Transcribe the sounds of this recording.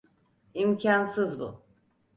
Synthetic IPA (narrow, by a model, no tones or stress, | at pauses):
imcʰansɯzbṵ